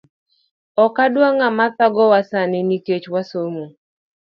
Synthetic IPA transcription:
ɔkadwaŋamataɡɔwasanɪniket͡ʃwasomo

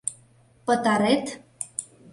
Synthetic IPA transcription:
pə̆t̪ɑɾet̪

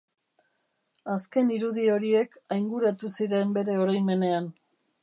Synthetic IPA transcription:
aske̞niɾuðio̞ɾie̞kajŋɡuɾat̪usiɾe̞mbe̞ɾe̞o̞ɾajme̞ne̞an

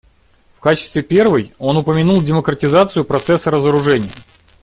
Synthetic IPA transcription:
fkat͡ɕɪ̥st̪vʲɪpʲe̞rvɨjo̞nʊpəmʲɪnulˠdʲɪməkɾətʲɪzat̪sɨjʊpɾɐt̪sɛsːəɾəzəɾʊʐɛnʲɪjə̰

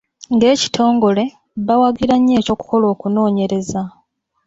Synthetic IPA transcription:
ŋɡe̞ːci̥tʰo̞ːŋɡo̞le̞ | βawaɡiɾaɲːe̞ːco̞ːku̥ko̞lo̞ːkuno̞ːɲe̞ɾe̞za

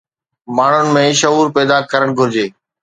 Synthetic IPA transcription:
maːɳ̤ʊnɪ̆mẽːʃəɦuːɾpɛːd̪akəɾəɽ̃ɡʱʊɾɪd͡ʑeː

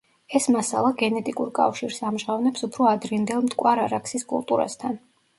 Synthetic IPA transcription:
ɛsmasa̰lˠaɡɛnɛt̪ʼikʼuɾkʼa̰fʃiɾsamʒʁavnɛpsupʰɾɔad̪ɾind̪ɛlˠmt̪ʼkʼwaɾaɾakʰsiskʼṵlˠt̪ʼṵɾa̰st̪ʰan

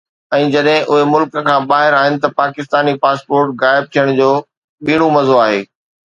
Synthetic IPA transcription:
ɛ̃ːd͡ʑɐɗɦɪ̃ʔʊɦemʊlkəkʰãːbaːɦɪɾaːɦɪnɪ̆t̪ɐpaːkɪst̪aːnipaːspoːɾʈɣaːɪb̚t̪ʰijəɽ̃d͡ʑoː | ɓiːɽ̃umɐzoaːɦḛː

